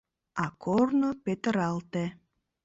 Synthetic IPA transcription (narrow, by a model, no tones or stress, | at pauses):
ɑkʰornopet̪əɾɑlt̪e